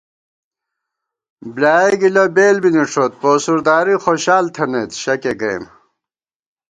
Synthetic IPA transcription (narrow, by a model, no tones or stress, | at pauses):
blaːeɡilɐbeːlbiniʈ͡ʂʰoːt̪̚poːsuɾd̪aːɾixoɕaːlt̪ʰɐneːt̪ɕɐkeɡɾḛːm